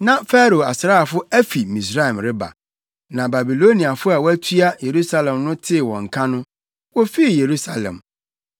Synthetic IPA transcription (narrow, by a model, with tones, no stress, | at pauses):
nã˨fɛ˦ɾo˨a˨sɾaː˦˨fʊ˦æ˦fi˨mĩ˨s̬ɾa˦ɛ˨mɾɪ˦ba̰˨ | nã˨ba˨bi˨lo˦nĩ˨a˨fʊ˦a˨wɔ˦æ˦tʰu˦a˦je˨ɾu˦sa˦lɛ̃˨mnʊ̃˦tʰɪ˦˨wɔ̃˨ŋ̩˨kʰã˦nʊ̃˦ | wɔ˦fi˦i˦˨je˨ɾu˦sa˦˨lɛ̰̃˨m